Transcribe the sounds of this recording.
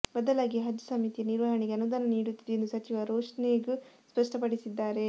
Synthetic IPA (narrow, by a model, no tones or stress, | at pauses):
bɐd̪ɐlaːɡiɦɐd͡ʒ̪jɐsɐmit̪ijɐniɾʋɐɦɐɳeɡeɐnud̪aːnɐniːɽut̪ːid̪end̪usɐt͡ʃiʋɐɾoːʂneɡuspɐʂʈɐpɐɽisid̪ːaːɾe̞